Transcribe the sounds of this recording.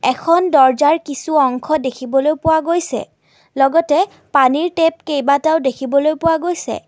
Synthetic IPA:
ɛkʰɔndɔɹzaɹkisuɔŋkʰɔdekʰibɔlojpʊwaɡojsɛ̰ | lɔɡɔtɛ | paniɹtep̚kejbataʊdekʰibɔlojpʊwaɡojsɛ̰

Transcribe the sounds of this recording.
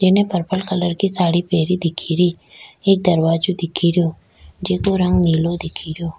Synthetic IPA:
d͡ʒɪnẽpəɾpəlkələɾkisaːɽipeːɾid̪ɪkʰiɾiː | eːk̚d̪əɾwaːd͡ʒod̪ɪkʰiɾijoː | d͡ʒeːkoɾɐ̃ŋɡniːlod̪ɪkʰiɾijoː

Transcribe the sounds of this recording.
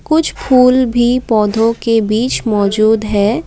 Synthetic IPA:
kʊt͡ʃʰpʰuːlbʱipɔːd̪ʱõkebiːt͡ʃmɔːd͡ʒuːd̪ɦɛː

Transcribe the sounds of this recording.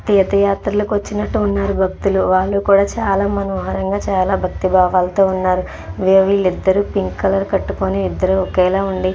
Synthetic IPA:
t̪ɛːd̪ɐjaːt̪ɾɐloːkʋɐt͡ʃːinɐʈːuːnːaːɾubʱɐkt̪uluʋaːɭːukuːɽaːt͡ʃaːlaːmɐnoːɦaːɾɐŋɡaːt͡ʃaːlaːbʱɐkt̪ibʱaːʋaːlɐt̪o̞ːunːaːɾu | ʋeːʋilid̪ːɐɾupiŋkkɐlɐɾkɐʈːukoːniːd̪ːɐɾuɔkɛːlaːuɳɖi

